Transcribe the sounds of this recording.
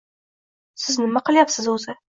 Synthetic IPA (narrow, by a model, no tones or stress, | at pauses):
sɪznɪmaqʰɨlˠjapsɪzʊzɪ